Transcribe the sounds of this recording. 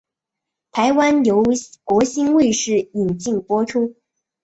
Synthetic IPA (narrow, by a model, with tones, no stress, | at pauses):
t̪ʰa˧˥ɪwa˥njo˧˥ʊkwɔ˧˥ɕi˥nwe˥˧ɪʂɻ̩˥˩i˨˩ŋt͡ɕi˥˩ŋpwɔ˥ʈ͡ʂʰu˥